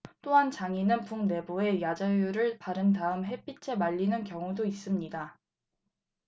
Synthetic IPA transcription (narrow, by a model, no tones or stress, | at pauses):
t͈oɦant͡ɕaŋinɯnpuŋne̞bue̞jad͡ʑajuɾɯɭpaɾɯntaɯmɦe̞p͈ʰit͡ɕʰe̞maʎːinɯnkjʌŋudois͈ɯmɲida